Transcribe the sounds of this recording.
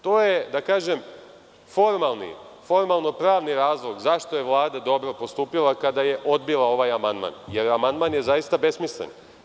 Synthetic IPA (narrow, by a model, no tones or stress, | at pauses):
t̪o̞ːje̞d̪akaːʒe̞m | fo̞ɾmalˠnḭ | fo̞ɾmalˠno̞pɾaːʋniɾaːzlˠo̞ɡzaʃt̪o̞je̞ʋlˠaːd̪ad̪o̞bɾo̞po̞st̪uːpilˠakad̪aje̞ʔo̞d̪̚bilˠao̞ʋaːjamand̪ma̰nje̞ɾamand̪manjezajist̪abe̞smislḛn